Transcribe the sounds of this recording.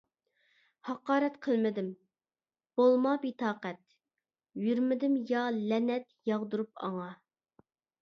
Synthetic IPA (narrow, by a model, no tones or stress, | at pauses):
hɑqɑːɾɛt̪qʰəlˠmɪd̪ɪm | b̥olˠmɑbit̪ʰɑːqɛt̪̚ | jyɾmɪd̪ɪmjɑlɛnɛt̪jɑʁd̪uɾup̚ɑ̰ŋɑ